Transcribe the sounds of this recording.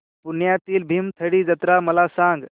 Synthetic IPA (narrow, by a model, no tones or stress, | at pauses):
pʊnjat̪iːlbʱimt̪ʰəɽid͡ʒɐt̪ɾamɐlasãːŋɡ